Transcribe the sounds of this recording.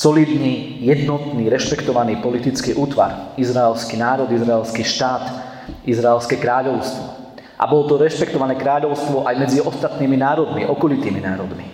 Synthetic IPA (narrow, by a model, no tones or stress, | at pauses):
sɔliːd̪niː | jɛd̪nɔt̪niːɾɛʃpɛkt̪ɔʋaniːpɔlit̪it͡skiʔuːt̪ʋa̰ɾizɾaɛlskinaːɾɔd̪izɾaɛlskiʃt̪aːt̪ | izɾaɛlskɛkɾaːʎɔʊst̪ʋɔ | ʔa̰bɔlɔt̪ɔɾɛʃpɛkt̪ɔʋanɛːkɾaːʎɔʊst̪ʋɔʔajmɛd͡ziɔst̪at̪niːminaːɾɔd̪miʔɔkɔlit̪iːminaːɾɔd̪mi